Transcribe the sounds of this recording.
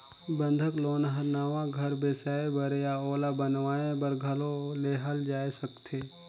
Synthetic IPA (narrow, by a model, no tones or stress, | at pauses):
bə̃nd̪ʱəkloːnɦɐɾnaːʋãɡʱɐɾbeːsaːebəɾejaoːlabənʋaːẽbəɾɡʱɐloleːɦəld͡ʒaːesəkt̪ʰeː